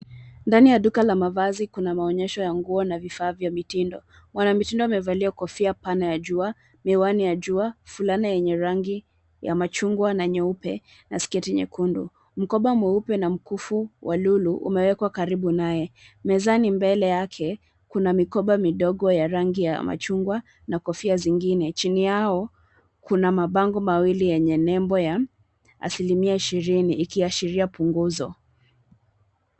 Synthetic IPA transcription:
ndanijaɗukalamavazikunamaɔɲɛʃɔjaŋɡuɔnavifaːvjamitindɔ | mwanamitindɔamɛvaliakɔfiapanajaʄua | miwanijaʄuafulaniajɛɲɛɾaŋɡi | ja̰mat͡ʃuŋɡwanaɛɲɛupɛ̰ | naskɛtiɲɛ̰kundṵ | m̩kɔɓamwɛupɛnam̩kufuwʔaluluʔṵmɛwɛkwakaɾiɓunajɛmɛzanimbɛlɛjakʰɛ | kunamikɔɓamiɗɔɠɔjaɾaŋɡija̰ma̰t͡ʃuŋɡwa | nakɔfiaziŋɡinɛt͡ʃinijaɔ | kunamaɓaŋɡɔmawilijɛɲɛnɛmbɔja | a̰silimiaiʃiɾiniʔːkiaʃiɾiapuŋɡuzɔ

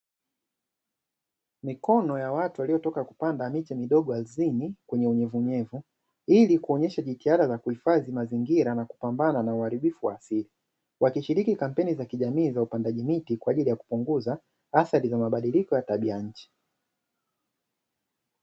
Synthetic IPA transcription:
mikɔnɔjawatuwalijɔtɔkaku̥pandamit͡ʃɛmiɗɔɠɔalzinikwɛɲɛuɲɛvuɲɛvu | ilikuɔɲɛʃaʄitihaɗazakuhifaðimaziŋɡiɾanaku̥pambananauhaɾiɓifuwa̰ːsili | wakiʃiɾikikam̩pɛnizakiʄamiːzaupandaʄimitikwaːʄilijaku̥puŋɡuza | aθaɾizamaɓaɗilikɔjataɓiaɲ̩t͡ʃi̥

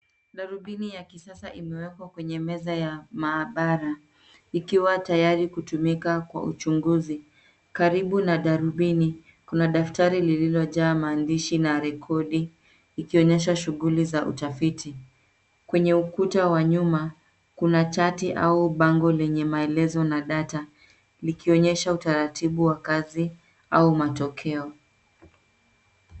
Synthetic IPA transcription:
ɗaɾuɓinijakisasaʔimɛwɛkwakwɛɲɛmɛzajamaːɓaɾa | ikiwatajaɾikutumikakwa̰ṵt͡ʃuŋɡuzi | kaɾiɓunaɗaɾuɓini | kunaɗaftaɾilililɔʄaːmaːndiʃinaɾɛkʰɔɗiː | kiɔɲɛʃaʃuɣulizaʔṵtafitʰi | kwɛɲɛukutawaɲuma | kunat͡ʃatiʔauɓaŋɡɔlɛɲɛmaɛlɛzɔnaɗata | likiɔɲɛʃautaɾatiɓuwakazi | aumatɔkʰɛɔ

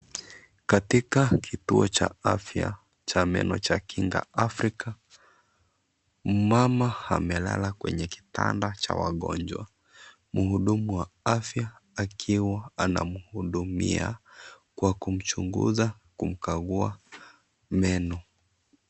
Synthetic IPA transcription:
katikakʰituɔt͡ʃaafja̰ | t͡ʃamɛ̰nɔt͡ʃakiŋɡa̰ʔafɾika | m̩mamaamɛla̰lakwɛɲɛki̥ta̰ndat͡ʃa̰waɠɔ̰nd͡ʒwa | muhuɗumuwaafjaːkʰiwaana̰muhuɗumia | kwakum̩t͡ʃuŋɡṵza | kum̩kaɣua | mɛnɔ

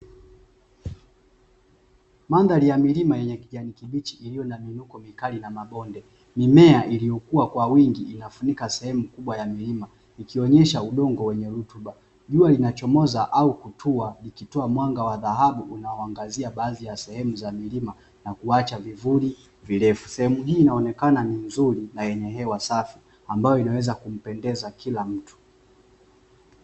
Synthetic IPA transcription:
mandalijamilimajɛɲɛkiʄanikiɓit͡ʃiʔilijɔnaminukɔmikalinamaɓɔndɛ | mimɛaʔilijɔkuwakwawiŋɡiʔinafunikasɛhɛmukuɓwajamilima | ikiɔɲɛʃauɗɔŋɡɔwɛɲɛɾutuɓa | ʄualinat͡ʃɔmɔzaʔaukutʰualikitɔamwaŋɡawaðaɦaɓuʔunaɔaŋɡaziaɓaːðijasɛhɛmuzamilima | nakuat͡ʃavivuli | vilɛfu̥sɛhɛmuɦiːnaɔnɛkananinzuɾinajɛɲɛɦɛwasafi | ambajɔinawɛzakum̩pɛndɛzakilam̩tu̥

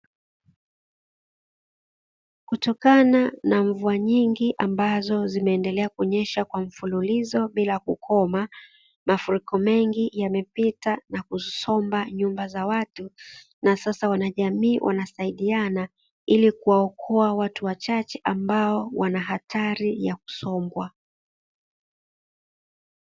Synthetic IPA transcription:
kutɔkananaɱvuaɲiŋɡiʔambazɔzimɛːndɛlɛakuɲɛʃakwaɱ̩fululizɔɓilakukʰɔma | mafuɾikɔmɛŋɡijamɛpitanakusɔmbaɲumbazawatu | nasasawanaʄamiːwʔa̰nasaiɗiana | ilikuwaɔkʰɔawatuwat͡ʃat͡ʃɛʔambaɔwanaɦatʰaɾijaku̥sɔmbwa

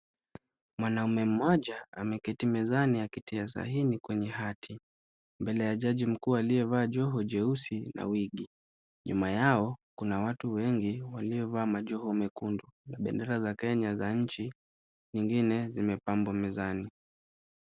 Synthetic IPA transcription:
mwanaumɛm̩mɔʄaa̰mɛkɛtimɛzanijakitiasa̰hinikwɛɲɛhatʰi | mbɛlɛjaʄaʄim̩kuːaliɛvaːʄɔɦɔʄɛusina̰wiɠi | ɲumajaɔkunawatuwɛŋɡiwaliɔvaːmaʄɔhɔmɛkundunaɓɛ̰ndɛɾazakɛɲazaɲ̩t͡ʃi | ɲiŋɡinɛzimɛpambwamɛzani

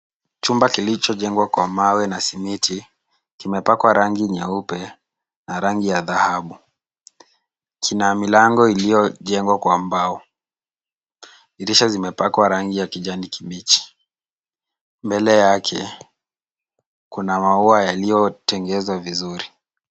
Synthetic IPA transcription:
t͡ʃumbakilit͡ʃɔʄɛŋɡwakwamawɛnasimitʰi | kimɛpakwaɾaŋɡiɲɛupɛ | naɾaŋɡijaðahaɓu | kʰinamilaŋɡɔilijɔʄɛŋɡwakwambaɔ | iɾiʃazimɛpakwaɾaŋɡijakiʄanikimit͡ʃi̥ | mbɛlɛjakʰɛ | kunamauajalijɔtɛŋɡɛzwavizuɾi

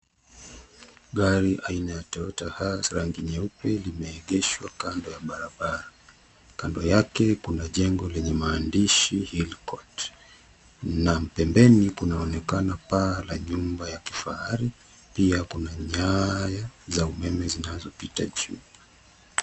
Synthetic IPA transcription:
ɠaɾiʔainajatɔɔtahasɾaŋɡiɲɛupɛlimɛːɠɛʃwakandɔjaɓaɾaɓaɾa | kandɔjakɛkunaʄɛŋɡɔlɛɲɛmaːndiʃihilkɔt | nam̩pɛmbɛnikunaɔnɛkanapaːlaɲumbajaki̥faaɾi | piakunaɲajazaumɛmɛzinazɔpitaʄuː

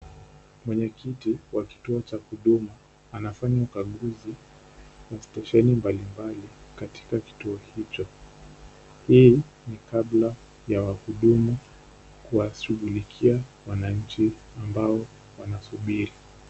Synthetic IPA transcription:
mwɛɲɛkitiwaki̥tuɔt͡ʃakuɗumu | anafaɲaukaɠuzi | wastɛʃɛnimbalimbalikati̥kaki̥tuɔhit͡ʃɔ | hiː | nikaɓla | jawahuɗumu | kuwaʃuɠulikʰiawanaɲ̩t͡ʃi | ambaɔ | wanasuɓiɾi

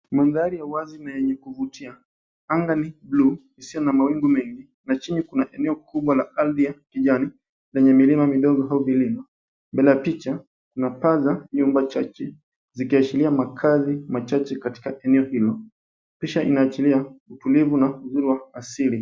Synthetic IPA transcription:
manzaɾijawazinajɛɲɛkuvutʰia | aŋɡaniblu | isijɔnamawiŋɡumɛŋɡi | nat͡ʃinikunaʔɛnɛɔkʰuɓwalaaldiakiʄani | lɛɲɛmilimamiɗɔɠɔɦauviliŋa | mbɛlajapit͡ʃa | kunapazaɲumbat͡ʃat͡ʃɛ | zikiat͡ʃiliamakʰazimat͡ʃat͡ʃɛkati̥kaʔɛnɛɔhilɔ | piʃaʔinaːt͡ʃiliautulivunauzuɾiwaːsili

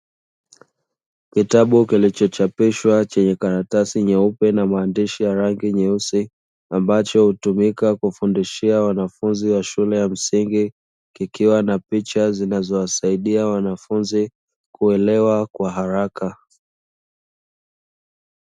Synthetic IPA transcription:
kitaɓukilit͡ʃɔt͡ʃapiʃwat͡ʃɛɲɛkaɾatasiɲɛupɛnamaːndiʃijaɾaŋɡiɲɛusi | ambat͡ʃɔhutumikakufundiʃiawanafunziwaʃulɛjam̩siŋɡi | kikiwanapit͡ʃazinazɔwasaiɗiawanafunzi | kuɛlɛwakwaɦaɾaka

